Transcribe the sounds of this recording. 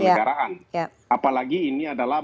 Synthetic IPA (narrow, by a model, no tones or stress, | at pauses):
aɾaʔanja | apalaɡiːniadala